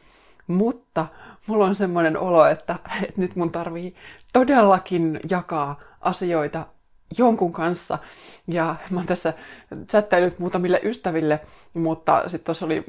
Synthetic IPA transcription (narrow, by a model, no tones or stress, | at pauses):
mut̪ːɑmulːonsemːonenoloet̪ːæet̪nyt̪munt̪ɑrʋiːt̪odelːɑkinjɑkɑːʔɑsioit̪ɑ | joŋkuŋkɑnsːɑ̰jɑmɑnt̪æsːæt͡ʃæt̪ːelyt̪muːt̪ɑmilːeʔyst̪æʋilːe | mut̪ːɑ̰sit̪t̪osːolḭ